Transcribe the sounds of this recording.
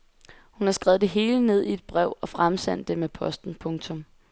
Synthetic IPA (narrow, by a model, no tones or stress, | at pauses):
hunhɑ̈sɡ̥ʁɛð̩̥ˠe̝ɦe̝ːləne̝ð̞̰ˠie̝d̥̚b̥ʁɛʊ̰ɒ̽fʁamsæn̰d̥ːemepʰɒ̽sd̥n̩pʰɔ̽ŋt͡sʰɔ̽m